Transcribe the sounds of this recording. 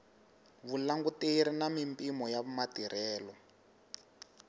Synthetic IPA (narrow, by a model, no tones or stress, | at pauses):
βulaŋɡuteiɾinamimpʼimɔjaβumatiɾʔɛːlɔ